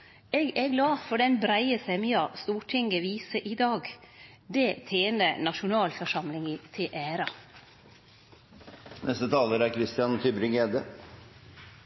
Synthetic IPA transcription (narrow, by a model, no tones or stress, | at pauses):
ɛɡɛɡlɑːfɔɖɛnbɾæɪəsɛmyːɑst̪uːʈʰɪŋɡəʋiːsəʔid̪ɑːɡ | d̪ɛt̪ʰeːnənɑʃʊnɑːlfɔʂɑmlɪŋit̪ʰeʔæːɾɑ | nʔɛst̪ət̪ʰɑːləɾæɾkʰɾɪst̪ɪjɑnt̪ʰʏbɾɪŋeːd̪ə